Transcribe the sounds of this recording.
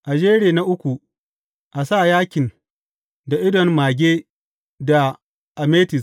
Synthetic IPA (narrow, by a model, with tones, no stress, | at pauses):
ʔa˨d͡ʒeː˦ɾeː˦˨na˦ʔʊ˦kʷu˨ | ʔa˨sa˦˨jaː˦kʲɪ˨n | da˨ʔɪ˦dɔ˨nmaː˨ɡʲeː˦ | da˨ | ʔa˨meː˦tɪ˨s